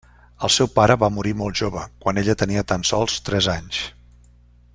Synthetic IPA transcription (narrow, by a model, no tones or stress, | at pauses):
əlˠsɛwpaɾəβamuɾimɔlˠʒoβəkwaneʎət̪əniət̪ansɔlˠst̪ɾɛzaɲs